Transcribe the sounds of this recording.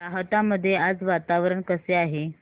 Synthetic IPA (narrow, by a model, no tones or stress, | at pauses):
aɦət̪aməd̪ʱːjead͡zʋat̪aʋɾəɳkəseaɦe